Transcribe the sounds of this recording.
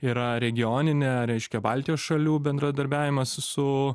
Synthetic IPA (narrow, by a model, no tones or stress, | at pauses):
iːɾɐɾʲɛɡʲɪjoːnʲɪnʲɛɾʲɛɪʃʲkʲɛbɑːlʲt̪ʲɪjoːsʃɐlʲuːbʲɛnd̪ɾɐd̪ɐɾʲbʲæːʋʲɪmɐssʊ